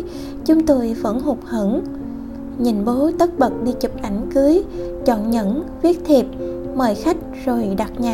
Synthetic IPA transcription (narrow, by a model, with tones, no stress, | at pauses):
t͡ɕʊ˨˦ŋ͡mt̪o˧jvə̰˧˥nɦu˨˩k͡p̚hə̰˧˩˥n | ɲi˨˩nɓo˨˦t̪ə˦˥t̚ɓə˨˩t̚ɗḭ˧˨t͡ɕu˨˩p̚ʔa˧˩jŋ̟kɨ˨˦əj | t͡ɕɔ̰˧˨nɲə̰˧˥nvi˦˥ət̚t̪ʰi˨˩p̚ | məː˨˩jxa˦˥jk̟̚zo˨˩jɗa˨˩t̚ɲaː˨